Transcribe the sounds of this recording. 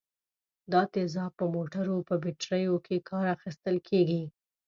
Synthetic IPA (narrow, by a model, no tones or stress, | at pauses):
d̪ɑt̪ezɑpəmoʈaɾopəbɪʈɾəjokʰekʰɑɾaxist̪əlkʰeɡi